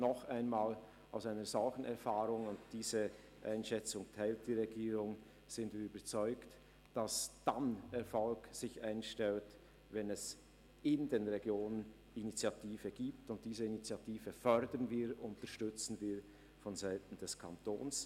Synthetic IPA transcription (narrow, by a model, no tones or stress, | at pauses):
nɔχaɪnmaːl | aʊsaɪnəzɔlçn̩ɛɐfaːʁʊŋʊntd̥iːzə | ʔa̰ɪnʃɛt͡sʊŋtʰaɪltd̥iːʁeɡiːʁʊŋ | z̥ɪntv̥iːyːbət͡sɔʏkt | d̥asd̥anɛʁfɔlkz̥ɪçʔaɪnʃtɛlt | vɛnɛs | ɪndeːnʁeɡjoːnən | init͡sjatʰiːvəɡ̥iːptʊnt̚d̥iːzəinit͡sjatiːvəfœɾdənviːʊntəʃtʏt͡sn̩viː | fɔnzaɪtn̩d̥ɛskʰantʰo̰ːns